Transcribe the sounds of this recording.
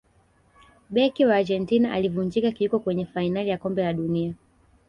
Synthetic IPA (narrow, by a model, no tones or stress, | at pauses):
ɓɛkiwaːd͡ʒɛntinaʔalivuɲd͡ʒikakiikɔkwɛɲɛfainalijakɔmbɛlaɗunia